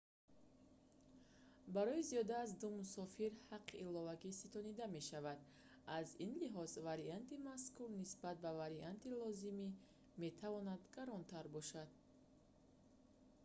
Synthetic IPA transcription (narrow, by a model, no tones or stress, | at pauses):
baɾɔiziɔd̪aːzd̪umusɔfiɾhaqʰːiʔːlɔvaɡisit̪ʰɔnid̪ame̞ʃavad̪ | azinliɦɔzvaɾiant̪imaskuɾnisbat̪̚bavaɾiant̪ilɔzimi | me̞t̪ʰavɔnad̪ɡ̥aɾɔnt̪ʰaɾbɔʃad̪̥̚